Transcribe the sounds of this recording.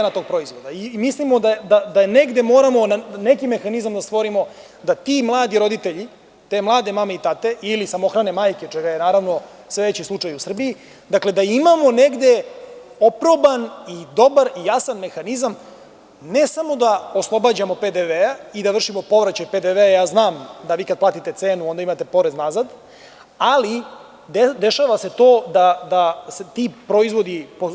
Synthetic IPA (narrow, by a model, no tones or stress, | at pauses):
enat̪o̞ɡ̚pɾo̞izʋo̞d̪aimislimod̪ad̪ad̪aneɡd̪e̞mo̞ːɾamo̞nane̞kime̞xanizamd̪ast̪ʋo̞ɾimo̞ | d̪at̪iːmlˠaːd̪iɾo̞d̪it̪eʎi | t̪e̞mlˠaːd̪e̞mameit̪at̪e̞ʔilisamo̞xɾane̞maːjket͡ʂeɡajenaːɾaʋno̞ | seʋet͡ɕislˠut͡ʂajusr̩bii | d̪akle̞d̪aimamo̞neɡd̪e̞ | opɾo̞banid̪o̞baɾijasanme̞xanizam | nesamo̞d̪aoslˠo̞bad͡ʑamo̞ped̪eʋeaid̪aʋr̩ʃimo̞po̞ʋɾat͡ɕajped̪eʋeajaːznaːmd̪aʋiːkad̪plaːt̪it̪e̞t̪seːnuo̞nd̪aimat̪e̞po̞ɾe̞znazad̪ | ali | d̪ed̪eʃaːʋase̞t̪o̞ːd̪ad̪aset̪iːpɾo̞izʋo̞d̪ipo